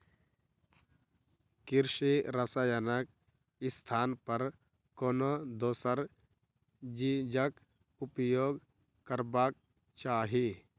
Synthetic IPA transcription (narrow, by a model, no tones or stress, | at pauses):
kɪɾʃiɾəsaːjənək | ɪst̪ʰaːnpɐɾ | koːnod̪oːsəɾ | d͡ʒid͡ʒək | ʊpjoːɡ | kəɾbaːk̚ | t͡ʃaːɦi